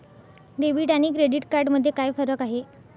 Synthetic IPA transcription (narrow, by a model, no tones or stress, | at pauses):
ɾeʋiːʈaɽ̃iːkɾeɽiːʈkaɾɖməd̪ʱːjekajfəɾəkaɦe